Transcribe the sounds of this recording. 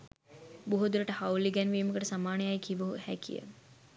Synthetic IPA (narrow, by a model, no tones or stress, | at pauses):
buɦud̪uɾəʈəhawliɡɛnʋiːməkəʈəsamaːnejajkiʋuɦuhækʰḭjə̰